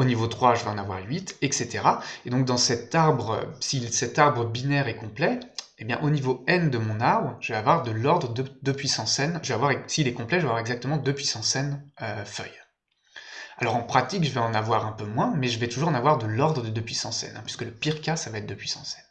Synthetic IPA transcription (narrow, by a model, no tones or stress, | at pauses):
onivot̪χwaʒəvɛɑ̃navwa̰ʁɥit̪ɛkset̪eʁaed̪ɔ̃k̚d̪ɑ̃sɛt̪aʁbʁəsisɛt̪aʁbʁəbinɛʁɛkɔ̃plɛebjɛ̰̃ʔonivoɛnd̪əmɔ̃naʁbʁəʒəvɛavwaʁd̪əlɔʁd̪ʁəd̪əd̪əpɥisɑ̃sɛnʒəvɛavwaʁɛsiːlɛkɔ̃plɛʒəvavwaʁɛɡzak̚t̪əmɑ̃d̪əpɥisɑ̃sɛnøfœ̰j | alɔʁɑ̃pχat̪ikʒəvɛɑ̃navwaʁɛ̃pømwɛ̃mɛʒəvɛt̪uʒuʁɑ̃navwaʁd̪əlɔʁd̪ʁəd̪əd̪əpɥisɑ̃sɛ̰nɛ̃pɥi̥skələpiʁkʲasavaɛt̪χ̚d̪əpɥisɑ̃sɛn